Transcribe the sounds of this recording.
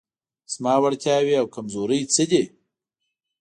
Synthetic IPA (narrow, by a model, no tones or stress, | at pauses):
smaːwaɽt̪ʰʲjaːwiawkamzoːɾəjt͡səd̪ʲi